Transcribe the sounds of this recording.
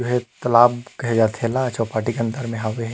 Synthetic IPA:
oɦɛt̪ɐlaːbkɐɦɛd͡ʒaːt̪ʰɛlaɐt͡ʃʰapaːʈikeɐ̃nt̪əɾmẽɦaʋeɦ

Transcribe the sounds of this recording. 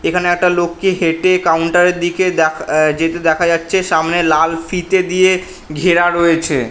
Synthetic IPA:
ekʰaneɛk̚ʈalokːiɦeʈekawɳʈaɾeɾd̪iked̪ɛd͡ʑet̪ed̪ɛkʰad͡ʑatːɕʰeʃamnelalfit̪ed̪ije | ɡʱeɾaɾoet͡ɕʰḛ

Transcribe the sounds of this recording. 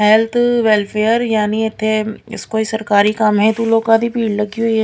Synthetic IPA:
ɦɛlt̪ʰʋɛlpʰeːjəɾjaːniɪt̪ʰːeɪ̰skoːisɐɾkaːɾikɐmɦɛ̃t̪uːloːkad̪ʱipiːɖlɐɡio

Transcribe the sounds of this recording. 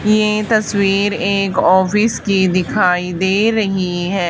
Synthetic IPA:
jet̪ɐswiːɾeːkɔːfɪskid̪ɪkʰaːid̪eːɾɐɦiɦɛː

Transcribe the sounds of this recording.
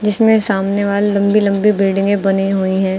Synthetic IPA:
d͡ʒɪsmẽsaːmneʋaːlelɐ̃mbilɐ̃mbibɪlɖɪ̃ŋɡẽbɐniɦoːiɦɛ̃ː

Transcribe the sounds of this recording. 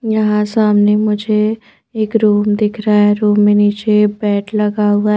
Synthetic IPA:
jɐɦãsaːmnemʊd͡ʒʱe | eːkɾuːmd̪ɪkʰɾaɛɾuːmːeniːt͡ʃebɛːʈʰlɐɡaɦua

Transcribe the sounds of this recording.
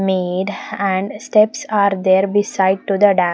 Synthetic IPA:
meːɖæ̃ɳɖsʈɛpsaːɾd̪eːɾbisaɪɖ̚ʈud̪əɖæ

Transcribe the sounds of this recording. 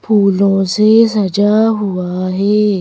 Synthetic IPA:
pʰuːlõːsesɐd͡ʒaɦʊaɦɛː

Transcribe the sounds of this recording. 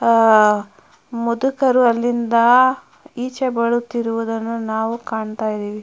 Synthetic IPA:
mud̪ukɐɾuɐlːind̪ɐ | iːt͡ʃebɐɭut̪ːiɾuʋud̪ɐnːunaːʋukaːɳt̪aːjid̪iːʋi

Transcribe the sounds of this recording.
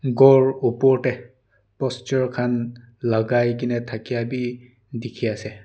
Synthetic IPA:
ɡɔɹupɔɹtɛ | pɔst͡ʃɔɹkʰan | laɡajk̬inɛtʰakijabi | dikʰiasɛ

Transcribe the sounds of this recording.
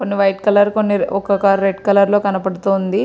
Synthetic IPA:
konːiʋɐjʈkɐlɐɾkonːiɔkɐkɐɾeɖkɐlɐɾlo̞ːkɐnɐpɐɽut̪oːnd̪i

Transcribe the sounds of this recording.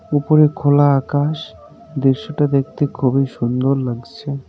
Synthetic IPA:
upoɾekʰolaakaʃ | d̪eɾʃoʈad̪ek̚ʰt̪ekʰubiʃund̪oɾlaɡt͡ɕʰe

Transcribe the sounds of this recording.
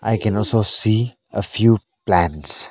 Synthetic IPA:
ʔa̰ɪkʰɛ̃nɔlsosiː | ʔəfjuː | plæ̃ns

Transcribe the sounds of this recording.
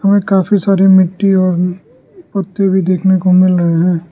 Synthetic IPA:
hɐmẽkaːfisaːɾemɪʈːiɔːɾ | pɐt̪ːebʱid̪eːkʰnekomɪlɾɐɦeɦɛ̃ː

